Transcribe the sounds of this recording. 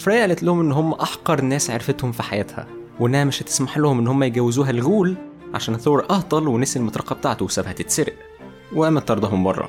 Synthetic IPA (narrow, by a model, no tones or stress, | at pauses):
fɾæːjʕlæt̪lʊhomʔenːɦomːæʔɑħqɑɾˤnːæːsʕḛɾfet̪homfiħajæːt̪hæ̰weʔenːæhæmeʃhæt̪e̥smaħlʊhomʔenːhomːæjeɡæwːɪzuːɦælɣuːl | ʕa̰ʃæːnhθoːɾʔɑhd̪ˤɑlwenesilmot̪ˤɾɑqːɑb̚t̪aʕt̪owesæbhæt̪et̪seɾʔ | wʔæmæt̪ːɑɾˤd̪ɑhombɑrˤːɑ̰